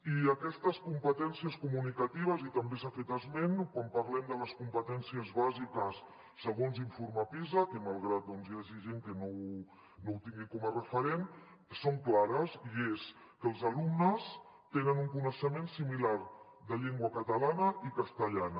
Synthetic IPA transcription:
iəkɛst̪əskumpət̪ɛnsiəskumunikət̪iβ̞əzit̪əmbesafet̪əzmenkwampɐɾlɛmd̪ələskumpət̪ɛnsiəzβazikəsː | əɣ̞onziɱfuɾmapizəkəmalˠɣɾat̪̚d̪ɔnzjaʒiʒeŋkənow | nowt̪iŋɡikɔmərəfəɾen | soŋklaɾəsies | kəlˠzəlumnəs | t̪enənuŋkunəʃəmensimilaɾ | ðəʎeŋɡwəkət̪əlanəʔikəst̪əʎanə

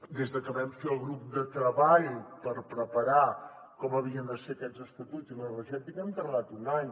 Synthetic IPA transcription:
d̪ezðəkəβɛmfeəlˠɣɾup̚d̪ət̪ɾəβaʎpəɾpɾəpəɾa | kɔməβ̞iənd̪əseəkɛzəst̪ət̪ud͡zənələʒɛt̪ikɛmt̪əɾlat̪unaɲ

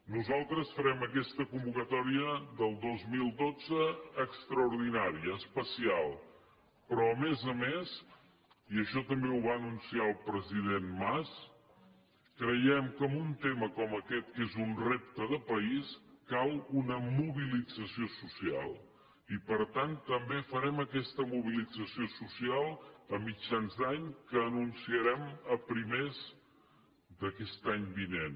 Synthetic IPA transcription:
nuzalˠt̪ɾəsfəɾɛməkɛst̪əkumbukət̪ɔɾiəðəlˠd̪ozmilˠd̪od͡zəːkst̪ɾəuɾðinaɾiəːspəsialˠ | pɾɔəmezəmes | iəʃɔt̪əmbeuβaənunsiaəlˠpɾəziðenmas | kɾəjɛmkəːmbunt̪eməkɔməkɛt̪̚kezunrep̚t̪əðəpəiskalˠunəmuβilid͡zəsiosusia̰lˠ | ipəɾt̪ant̪ːəmbefəɾɛməkɛst̪əmuβ̞ilid͡zəsiosusialˠəmid͡ʒanzd̪aɲkəːnunsiəɾɛməpɾimez | d̪əkɛst̪aɲbinen

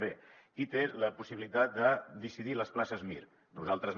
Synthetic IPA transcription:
βe | it̪eləpusiβilit̪at̪̚d̪əd̪isiðiləsplasəzmḭɾ | nuzalˠt̪ɾəz

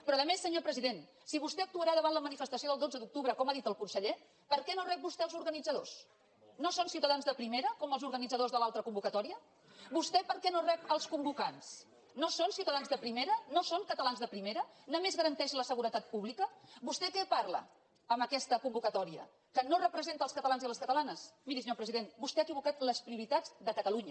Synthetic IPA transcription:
pɾɔðəmesːəɲopɾəziðen | siβust̪ɛək̚t̪uəɾaðəβanləmənifəst̪əsioðəlˠd̪od͡zəðuk̚t̪uβɾəkɔmaðit̪əlˠkunsəʎe | pəɾkɛnorɛp̚bust̪ɛəlzuɾɣənid͡zəðos | nosonsiuwt̪əðanzðəpɾimeɾəkɔməlˠzuɾɣənid͡zəðozðəlalˠt̪ɾəkumbukət̪ɔɾiə | bust̪ɛpəɾkɛnorɛp̚əlˠskumbukans | nosonsiwt̪əðanzðəpɾimeɾənosoŋkət̪əlanzðəpɾimeɾənəmezɣəɾənt̪ɛʃləsəɣuɾət̪at̪̚puβlikəbust̪ɛkɛparlə̰ | əməkɛst̪əkumbukət̪ɔɾiə̰ | kənorəpɾəzent̪əlˠskət̪əlanziələskət̪əlanəsmiɾisəɲoɾpɾəziðenbust̪ɛaəkiβukat̪ləspɾiuɾit̪ad͡zd̪əkət̪əluɲə

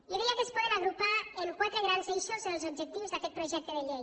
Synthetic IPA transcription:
iðiakespɔðenaɣɾupaeŋkwat̪ɾeɣ̞ɾanzeʃozelzobʒek̚t̪iwzðakɛt̪pɾoʒɛk̚t̪eðeʎej

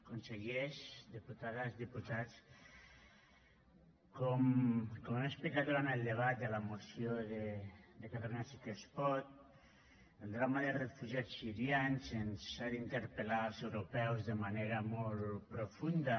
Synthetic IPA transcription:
konseɣeʃd̪iput̪aðazðiput̪at͡s | kɔmkomunaespik̚t̪at̪uɾanelˠd̪eβ̞at̪̚d̪elamosjoðed̪ekat̪alunasikespɔt̪̚ | elˠd̪ɾamaðerefuʒiat͡sssiɾjansensad̪int̪eɾpelalˠsewɾupɛwzðemaneɾamɔlpɾofund̪a

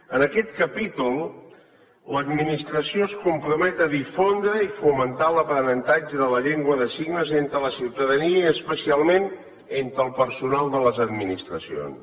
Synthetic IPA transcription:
ənəkɛt̪̚kəpit̪ulˠ | ləd̪minist̪ɾəsioskumpɾumɛt̪əðifond̪ɾəifumənt̪aləpɾənənt̪ad͡ʒəðələʎeŋɡwəðəsiɡnəzent̪ɾələsiwt̪əðəniəːspəsialˠmen | ent̪ɾəlˠpəɾsunalˠd̪ələzəd̪minist̪ɾəsio̰ns

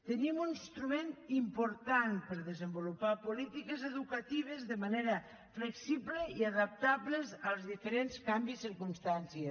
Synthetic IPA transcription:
t̪enimunist̪ɾument̪impoɾt̪anpeɾðezembolupapolit̪ikezeðukat̪iβ̞ezðemaneɾa | fleksiβleiaðap̚t̪aβlezalˠzðifeɾenskambisiɾkunst̪ansje

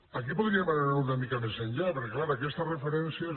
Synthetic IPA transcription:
akipuðɾiemananaɾuunamikamezeɲʎapeɾkeklaɾakɛst̪ərefeɾɛnsi

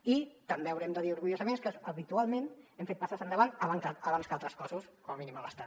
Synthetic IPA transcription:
it̪əmbeəwɾɛmd̪əðiuɾɣuʎozəmenskəəβit̪ualˠmẽnɛmfet̪̚pasasənd̪əβant̪əβaŋkaəβanskalˠt̪ɾəskɔsuskɔməminimələst̪a

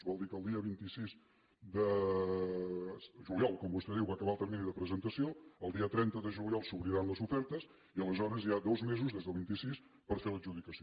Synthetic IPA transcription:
zβɔlˠd̪ikəlˠd̪iəβint̪isiz | d̪ə | ʒuljɔlˠkɔmbust̪ɛðiwβakəβalˠt̪əɾminiðəpɾəzənt̪əsioəlˠd̪iət̪ɾɛnt̪əðəʒuliɔlˠsuβɾiɾanləzufɛɾt̪əz | iələzɔɾəziad̪ozmezuzðezðəlˠβint̪isis | pəɾfeləʒuðikəsi

